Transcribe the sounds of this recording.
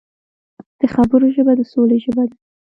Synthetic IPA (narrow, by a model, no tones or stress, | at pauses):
d̪̥əxabəɾoʒəbad̪əsoleʒəbad̪a